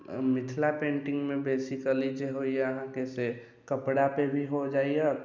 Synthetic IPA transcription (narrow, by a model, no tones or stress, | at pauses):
mɪt̪ʰlapẽːɳʈɪ̃ŋɡmẽbeːsikəlid͡ʒeɦoijeəɦãkese | kəpɽapebʱiɦod͡ʒaːije